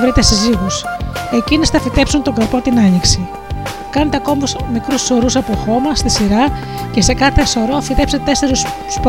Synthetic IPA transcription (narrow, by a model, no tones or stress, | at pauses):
vɾet̪e̞siziɣuse̞cinisθɐfit̪e̞psunt̪o̞ŋɡɐɾpot̪inɐɲiksi | kɐnet̪eɐko̞musmikɾusːo̞ɾusɐpo̞xo̞mɐst̪isiɾɐ | ce̞se̞kɐθe̞so̞ɾo̞fit̪e̞pseet̪eseɾus | sp